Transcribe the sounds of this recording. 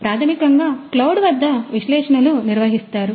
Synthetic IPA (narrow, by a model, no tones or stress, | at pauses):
pɾaːt̪ʰɐmikɐŋɡaːklɐwuɽʋɐd̪ʱːɐʋiʃlɛːʂɐnɐluniɾʋɐɦist̪aːɾu